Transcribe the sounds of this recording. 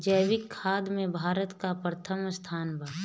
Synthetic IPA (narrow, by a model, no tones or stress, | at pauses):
d͡ʒəjʋɪkʰːaːd̪mẽbʱaːɾət̪kapɾət̪ʰəmst̪ʰaːnbʱaː